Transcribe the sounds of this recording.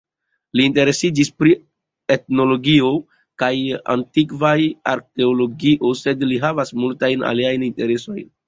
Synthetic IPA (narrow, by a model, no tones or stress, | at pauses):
liːnte̞ɾe̞sid͡ʒispɾi | e̞tno̞lo̞ɡio̞ | kaja̰ntikvaja̰ɾke̞olo̞ɡiʔo̞se̞dliɦavasmultajna̰liajninte̞ɾe̞so̞̰jn